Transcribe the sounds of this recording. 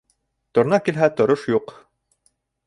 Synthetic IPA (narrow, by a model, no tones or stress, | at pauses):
t̪ŏɾnɑkilɦæt̪ŏɾoʃjuq